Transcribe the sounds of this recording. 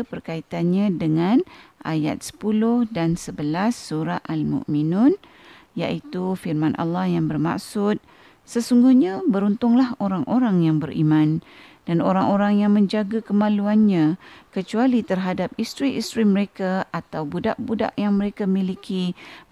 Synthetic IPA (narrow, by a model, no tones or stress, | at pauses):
pərkait̪anɲãdəŋãnʔa̰ja̰t̪̚sə̥pulʊhdansəbəlasːuɾaʔalmṵ̃ʔmĩnʊn | ja̰ʔit̪ufirmãnʔa̰lːɑhjaŋbərma̰ʔsʊt̪̚ | səsuŋɡuhɲãbəɾunt̪ʊŋlahoɾaŋʔoɾaŋjaŋbərʔḭmãnd̥anoɾaŋʔoɾaŋjaŋmə̃ɲd͡ʒaɡakəmãluanɲãkət͡ʃualit̪ərɦadap̚ist̪ɾiʔist̪ɾiməɾekaat̪awbuda̰ʔbuda̰ʔjaŋmə̃ɾekamilikʰi